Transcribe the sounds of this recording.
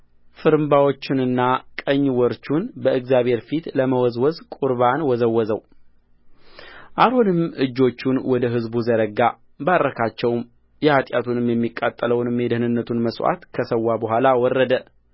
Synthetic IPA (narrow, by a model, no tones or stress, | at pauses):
fɨɾɨmbawo̞t͡ʃːɪnɨnːakʼəɲːwɔɾt͡ʃːunbəɨɡzjaβhe̞ɾfit̪ləməwɔzwɔzkʼuɾβanwɔzəwːɔzəw | ʔaɾonɨmɨd͡ʒːo̞t͡ʃːunwɔd̪əɦɨzbuzəɾəɡa | barːəkʰat͡ʃːɛwm | jɛhat̪ʼjat̪ʰunɨmjɛmːikʼːat̪ʼːələwnɨmed̪əhnɨnːət̪ʰunməsʼwa̰t̪kʰəsəwːabəɦʷalawɔrːəd̪ə